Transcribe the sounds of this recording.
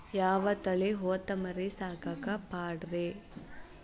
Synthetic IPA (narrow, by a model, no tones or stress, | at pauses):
jaːʋɐt̪ɐɭeɦoːt̪ɐmɐɾesaːkɐkɐpaːɽɾe